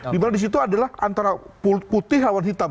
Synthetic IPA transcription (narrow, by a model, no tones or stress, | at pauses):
dimanadis̬it̪uadalahʔant̪aɾapuput̪ɪɦlawanɦit̪a